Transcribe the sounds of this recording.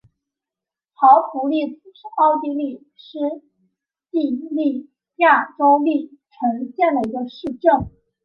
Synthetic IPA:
xɑ˧˥ʊpʰu˧˥li˥˩t͡s̩˨˩ʂ̩˥˧ɑ˥ʊt̪i˥˧li˥˩ | ʂɻ̩˥ | t͡ɕi˥˧li˥˩ | ja˥˩ʈ͡ʂo˥ʊli˥˩ | ʈ͡ʂʰɤ˧˥ŋɕjɛ˥˩nd̪ə˩i˧˥ɡə˧ʂɻ̩˥˧ʈ͡ʂɤ˥˩ŋ

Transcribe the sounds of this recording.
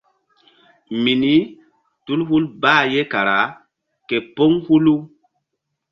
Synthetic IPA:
mi˨ni˦ | tu˦lhu˦lbaː˦˨je˦ka˨ɾa˨˦ | ke˨po˦ŋhu˦lu˦

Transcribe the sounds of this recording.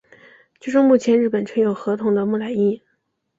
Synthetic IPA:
t͡ɕʰy˥ʈ͡ʂʊ˥˧ŋmu˥˩t͡ɕʰjɛ˧˥nɻ̩˥˩pə˨˩nt͡ɕʰɛ˧˥ŋjo˨˩ʊxɤ˧˥t̪ʰʊ˧˥ŋd̪ə˧mu˥˩la˨˩ɪi˥˩

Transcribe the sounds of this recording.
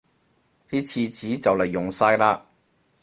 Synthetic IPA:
tiː˥t͡sʰiː˧t͡siː˨˥t͡sɐ˨wlɐ˨˩jːʊ˨ŋsaː˧jlaː˧

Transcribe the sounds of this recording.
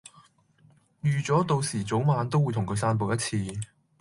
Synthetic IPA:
jyː˨˩t͡sɔː˨˥t̪o˧wsiː˨˩t͡so˨˥wmaː˨˧nt̪o˥wːu˨˧jt̪ʰʊ˨˩ŋkʰɵ˧saː˧np̬o˨˧wjɐ˥t̚t͡sʰiː˧

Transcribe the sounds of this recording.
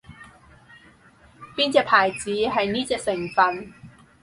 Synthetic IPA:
piː˥nt͡sɛː˧pʰaː˨˩jt͡siː˨˥ɦɐ˨jniː˥t͡sɛː˧k̚sɪ˨˩ŋfɐ˨n

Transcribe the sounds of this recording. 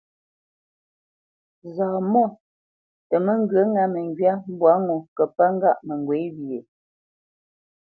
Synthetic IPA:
zaː˨mɔ˦˨ | tə˨mə˦ŋ˦ɡɰə˨˦ŋa˨mə˨ŋɡɥa˦m˦bwa˨˦ŋo˨kə˨pa˦ŋ˦ɡa˦ʔmə˨ŋ˨ɡwe˨˦wje˨

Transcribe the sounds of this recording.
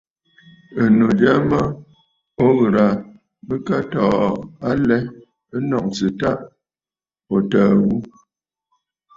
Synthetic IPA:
ə˨no˨d͡ʒa˦ma˦ | o˦ɣɾa˨ | bə˦ka˦tɔː˨a˦lɛ˦ | ə˦nɔ˨ʔ̚t͡sɨ˨ta˦ʔ | o˨təː˨ɣu˦

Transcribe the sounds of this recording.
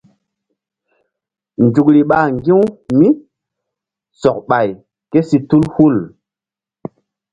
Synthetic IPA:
nd͡ʒu˨kɾi˨ɓa˨ŋɡi˦wmi˦ | sɔ˨k̚ɓa˨j | ke˦si˦tu˦lhu˦˨l

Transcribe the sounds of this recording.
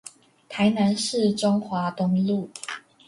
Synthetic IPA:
t̪ʰa˨˧˥ɪna˨˦nʂɻ̩˥˨ʈ͡ʂʊ˥ŋxwa˨˥˦t̪ʊ˧˥ŋlu˥˨

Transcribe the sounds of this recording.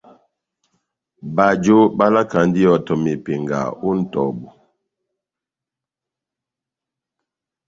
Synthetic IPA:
ba˨d͡ʒo˦ba˦la˦ka˨n˦di˦ɔ˨tɔ˨me˨pe˨ŋɡa̰˨u˦n̩˦tɔ̰˨bu˨

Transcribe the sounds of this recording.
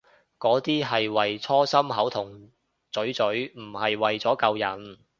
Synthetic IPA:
kɔː˨˥t̪iː˥ɦɐ˨jwɐ˨jt͡sʰɔː˥sɐ˥mɦɐ˨˥wt̪ʰʊ˨˩ŋ | t͡sɵ˨˥ɥt͡sɵ˨˥ɥm̩˨˩hɐ˨jwɐ˨jt͡sɔː˨˥kɐ˧wjɐ˨˩n

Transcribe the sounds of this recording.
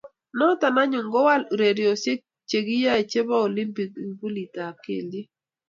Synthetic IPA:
nɔ˦ta˨na˦ɲʊ˨ŋɡɔ˦wa˦lɾe˨ɾjo˨se˦k̚ | t͡ʃe˨ɡi˦ja˦e˨t͡ʃe˦ba˦o˨li˦mbi˨ɡi˨bu˦li˨ta˨kḛ˨li˦

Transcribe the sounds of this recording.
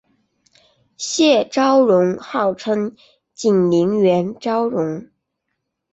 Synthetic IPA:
ɕjɛ˥˩ʈ͡ʂɑ˥ʊɻʊ˧˥ŋxɑ˥˩ʊʈ͡ʂʰɤ˥ŋ | t͡ɕi˨˩nli˧˥ŋɥɛ˧˥nʈ͡ʂɑ˥ʊɻʊ˧˥ŋ

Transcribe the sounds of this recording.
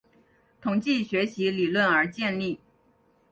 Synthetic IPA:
t̪ʰʊ˨˩ŋt͡ɕi˥˩ɕɥɛ˧˥ɕi˧˥li˨˩lwə˥˩nə˞˧˥t͡ɕjɛ˥˧nli˥˩

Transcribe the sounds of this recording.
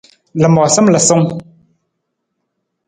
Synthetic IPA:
lə˨mɔ˨sə˦mlə˨sɔ˦ŋ

